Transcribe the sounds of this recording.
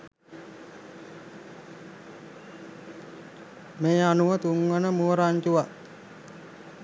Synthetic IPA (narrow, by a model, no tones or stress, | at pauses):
meːanuʋət̪uŋʋənəmuɾaɲt͡ʃuʋat̪